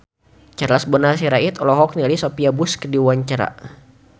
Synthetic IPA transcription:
t͡ʃarlasbɔnas̬iɾait̪ɔlɔɦɔk̚nilisopiabuskədiwaɲt͡ʃaɾa̰

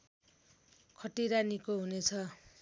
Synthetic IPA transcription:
kʰʌʈiɾanikoɦunet͡sʰʌ

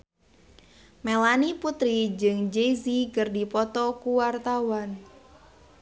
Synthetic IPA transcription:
melaniput̪ɾid͡ʒɨŋd͡ʒezikərdipɔt̪ɔkuwart̪awan

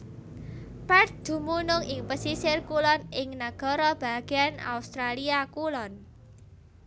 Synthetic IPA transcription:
pɛrt̪̚d̪̥ṳmunʊŋɪŋpəsisɪrkulɔnɪŋnaɡ̥ɔ̤ɾɔb̥a̤ɡ̥ana̰ust̪ɾaliakulɔn

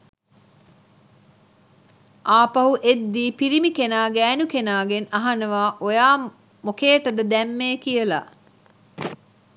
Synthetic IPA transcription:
ʔaːpɐɦuʔed̪ːiːpiɾimikenaːɡæːnukenaːɡenɐɦɐnɐʋaːʔojaː | mokeːʈəd̪əd̪ɛmːeːkijəla̰

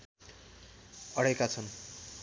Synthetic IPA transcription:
ʌɽekat͡sʰʌn

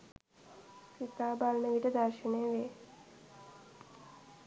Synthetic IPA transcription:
sit̪aːbalnəʋiʈəd̪arʃəneːʋe

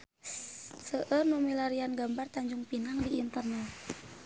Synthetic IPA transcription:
səʔərnumilaɾianɡambart̪aɲd͡ʒuŋpinaŋdiːnt̪ərnɛt̪

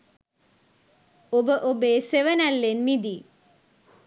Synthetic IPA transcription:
obəʔobeːseʋənɐlːenmid̪i

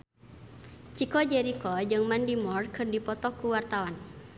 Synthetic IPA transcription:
t͡ʃikɔd͡ʒɛɾikɔd͡ʒɨŋmandimɔrkɨrdipɔt̪ɔkuwart̪awan

